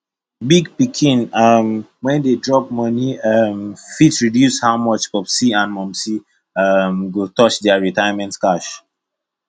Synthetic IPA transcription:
biɡpikʰĩnʌm | wɛ̃ndedɹɔp̚mʌniʌmfitsɹidjushaʊmʌt͡ʃpɔpsiãnmɔ̃msi | ʌmɡotɔt͡ʃdɛəɹitajamɛ̃ntkaʃ

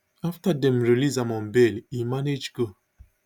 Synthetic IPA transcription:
aftadɛ̃mɹilizãmɔ̃nbelimaned͡ʒɡo

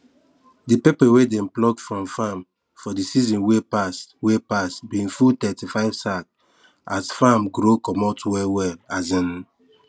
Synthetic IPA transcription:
dipepɛwedẽmplɔɡfɹɔ̃mfam | fɔdisizɔ̃nwepaswepasbiĩŋfutɛtifaɪv̥sak | asfamɡɾokɔmɔtwɛwɛlazɛ̃n

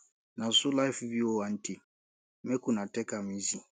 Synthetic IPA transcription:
nãsolaifbiwoãn̩ti | ɛkũnatɛkamĩsĩ

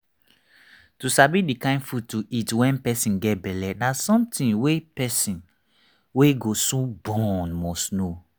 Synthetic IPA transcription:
tusabidikãɪ̃ndfud̚tuʔitwɛ̃npɛsĩnɡɛt̚bɛlɛnasɔ̃mtĩnwepɛsĩn | weɡosobɔnmɔsno

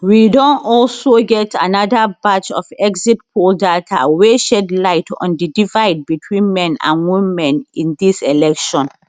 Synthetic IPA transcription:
widɔ̃nɔlsoɡɛtʰanadabat͡ʃɔ̰fɛɡzit̚pʰoldatʰa̰weʃɛdlaɪtʰɔ̰̃ndidivaɪd̚bitʰwĩnmɛ̃nã̰nwĩmɛ̃nĩndisɛlɛkʃɔ̃n

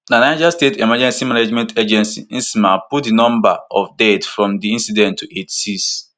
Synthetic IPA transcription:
nanaɪd͡ʒastetimad͡ʒɛ̃nsimanad͡ʒmɛ̃ntʰed͡ʒɛ̃nsḭĩnsmaput̚dinɔ̃mba̰ɔvdɛdfɹɔ̃mdiĩnsidɛ̃ntʰːuʔetsis

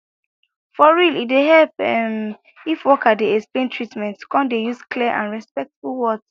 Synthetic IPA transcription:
fɔɹilitdeɦɛlpɛm | ifwɔkadeɛksplẽntʰɹitmɛ̃ntkɔ̃ndejuskliʔã̰nɹɛspɛk̚tfulwɔt

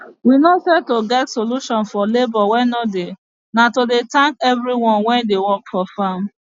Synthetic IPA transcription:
winosɛtoɡɛtsoluʃɔ̃nfɔlebɔwɛ̃nɔde | natodetãŋkɛvɾiwɔ̃nwɛ̃ndewɔkfɔfãm

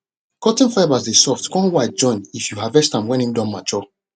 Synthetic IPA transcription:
kɔtĩnflaɪbazdesɔftkɔ̃nwat̚d͡ʒɔ̃ɪ̃nifjuhavɛstãmwɛ̃nĩmdãnmat͡ʃɔ

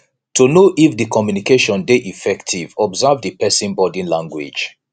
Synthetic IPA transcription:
tʰunoʔifdikʰɔmjunikeʃɔ̃ndeʔifɛktʰivɔbzavdipɛsĩnbɔdĩnlãŋɡwḭd͡ʒ

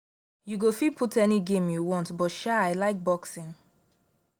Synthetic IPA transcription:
juɡofid̚pʰutʰɛniɡẽmjuwɔ̃ntbɔtʃaaɪlaɪk̚bɔksĩn

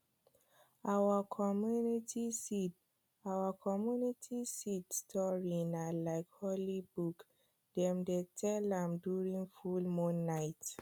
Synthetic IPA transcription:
awakʰɔmjunitisi | awakʰɔmjunitʰisitstʰɔɹinalaɪkhɔlibuk | d̥ɛ̃mdetʰɛlãmduɹĩŋfulmũnːaɪt

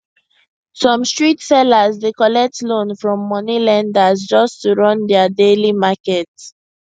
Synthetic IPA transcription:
sɔ̃mstɹitsɛlazdekɔlɛk̚tlõnfɹɔ̃mːɔnilãndazd͡ʒɔstuɹɔ̃ndɛadelimakɛt

